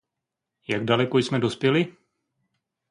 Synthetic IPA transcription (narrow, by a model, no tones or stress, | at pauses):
jaɡdalɛkojsmɛdo̞spjɛlɪ